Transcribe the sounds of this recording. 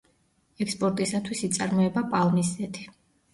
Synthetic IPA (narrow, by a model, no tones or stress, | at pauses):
ɛkspʼɔɾt̪ʼisat̪ʰwisit̪sʼaɾmɔɛbapʼalˠmiszɛt̪ʰi̥